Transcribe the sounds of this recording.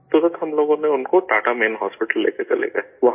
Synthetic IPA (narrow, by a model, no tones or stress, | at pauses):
susəd̪ɦɐmloːɡõnẽʊnkoʈaːʈameːnɦɔ̰ːspɪʈəlːḛːket͡ʃɐlḛːŋɡaʋɐɦ